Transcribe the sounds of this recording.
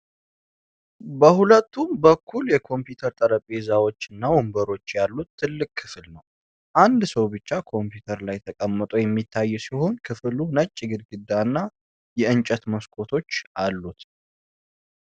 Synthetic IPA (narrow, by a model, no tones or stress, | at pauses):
bəhulət̪ːumbəkʰːuljɛkʰo̞mpjut̪ʰəɾt̪ʼəɾəpʼizawo̞t͡ʃːɨnːawombəɾo̞t͡ʃːjalːut̪ʰːɨlːɨkʼkʰːɨflnəw | ʔand̪səwbɨt͡ʃːakʰo̞mpjut̪ʰəɾlajt̪ʰəkʼəmːət̪ʼojɛmːit̪ʰːajːɛsiho̞nkʰɨflunət͡ʃʼːɪɡɨd̪ɡɨd̪ːaɨnːa | jɛɨnt͡ʃʼɛt̪məskʼo̞t̪ʰo̞t͡ʃːʔalːut̪